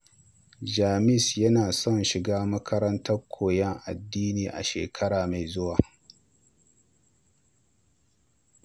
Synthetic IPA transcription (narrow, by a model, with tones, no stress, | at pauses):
d͡ʒaː˨mɪ˦sjɐ˦naː˨sɔ˦˨nʃɪ˨ɡaː˦mɐ˦kʰɐ˦ɾɐ˦ntɐ˦rkʷʰoː˨jɛ˦ŋʔa̰˨dːiː˦niː˨ʔa̰˨ʃḛː˨kʰɐ˦ɽaː˨ma˨jzʊ˦waː˨